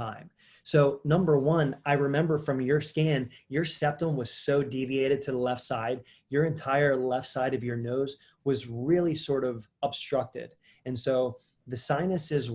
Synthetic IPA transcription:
ãɪ̃m | soʊnʌ̃mbə˞wʌ̃naɪɹɨmɛ̃mbə˞fɹʌ̃mjə˞skæ̃njə˞sɛp̚tə̃mwʌz̥soʊdivieɪɾɨd̚tʰɨðəlɛftsaɪd̚ | jə˞ɨ̃ntʰaɪə˞lɛftsaɪɾʌvjə˞noʊz | wʌzɹɪlˠisɔɹɾʌvəb̥stɹ̥ʌk̚tɪ̰d̥ | ɨ̃nsoʊ | ðɨsãɪ̃nɨsɪz

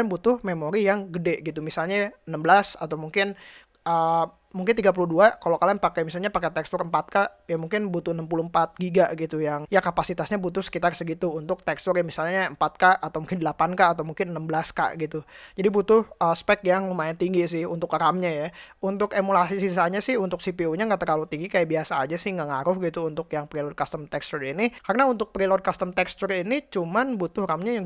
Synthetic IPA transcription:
anbut̪ʊhmemoɾijaŋɡədɛʔɡit̪umisalɲaənəmbəlasat̪awmuŋkɪn | ə | muŋk̬ɪnt̪iɡap̬uluhduakalokalianpakajmisalɲapakat̪ɛkst̪ʊrmpat̪̚kaʔjamuŋkɪnbut̪ʊhnəmpuluəmpat̪̚ɡiɡaɡit̪ujaŋjakapasit̪asɲabut̪ʊhsə̥kit̪arsəɡit̪uːnt̪ʊk̚t̪ɛkst̪ʊrjaŋmisalɲaəmpat̪̚kaʔːt̪awmuŋkɪndəlapankaʔːt̪awmuŋkɪnənːəmbəlaska̰ʔɡit̪ud͡ʒadibut̪ʊhaspɛkjaŋlumaɪnt̪iŋɡisɪhunt̪ʊkramɲajaunt̪ʊkemulasisisahɲasɪhunt̪ʊk̚sipiuɲaŋɡaʔt̪ərlalut̪iŋɡikajaʔbiasaːd͡ʒasɪhŋɡaŋaɾʊhɡit̪uːnt̪ʊkjaŋpɾilod̚kast̪əmt̪ɛkst̪urinikarnaunt̪ʊk̚pɾilod̚kast̪əmt̪ɛkst̪urinit͡ʃumanbut̪ʊhɾamɲajaŋ

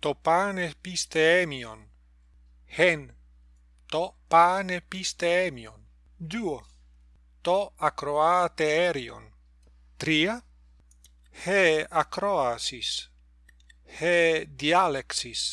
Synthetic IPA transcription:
t̪opanepist̪eemion | hen | t̪opanepist̪eemio̰n | d̪uo | t̪oakɾoat̪eeɾio̰n | t̪ɾia | heakɾoasis | hed̪ialeksis

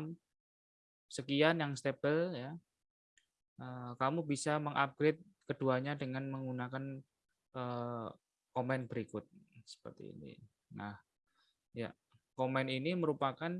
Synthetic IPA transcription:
m | səkianjaŋst̪eb̥əlja | ʔəːkamubisaməŋʔab̚ɡ̥ɾet̪̚ | kəd̥uaɲadəŋanməŋunakan | ʔə | komɛnb̥əɾikʊt̪̚sə̥pə̰rt̪ḭːnḭ | na̰h | ja̰ | komɛniniməɾupakan

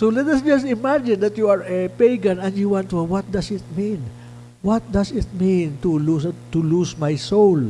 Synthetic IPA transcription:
solɛt̪ɐsd͡ʒɐstɪmad͡ʒɪ̃nd̪ɐt̪juaɹɛpejɡãnɛ̃nd̪juwãnt̪uwʌt̪̚d̪asɪt̪̚mĩn | wʌt̪̚d̪asɪt̪̚mĩnt̪ulust̪ulusmajsol

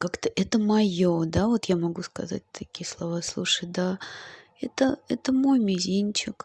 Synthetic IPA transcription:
kakt̪əʔɛt̪əmɐjod̪avo̞t̪jamɐɡuskɐ̰za̰t̚ʲt̪ʰɐkʲijəslˠɐvaslˠuʂəjd̪a | ɛt̪əɛt̪əmo̞jmʲɪzʲinʲt͡ɕɪk

